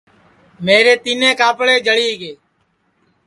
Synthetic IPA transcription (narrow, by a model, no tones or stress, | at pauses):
meːɾeːt̪iːnẽːkaːpɽeːd͡ʒʱəɽiːɡeː